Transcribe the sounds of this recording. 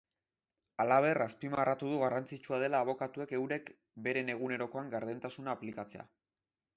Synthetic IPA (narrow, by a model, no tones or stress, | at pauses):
alaβ̞e̞raspimarat̪uð̞uɣarant͡sit͡ʃuað̞e̞laːβ̞o̞kat̪ue̞ke̞wɾe̞k | be̞ɾe̞ne̞ɣ̞une̞ɾo̞ko̞aŋɡaɾð̞ent̪asunaːplikat͡se̞a̰